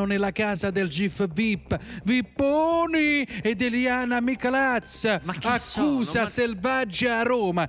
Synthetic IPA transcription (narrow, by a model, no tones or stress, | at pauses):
ʊnɪlakaːzad̪ɪld͡ʒifvipːvipːoːnied̪eliaːnamikalat̪sakːuːzaselvad͡ʒːaːrɔːma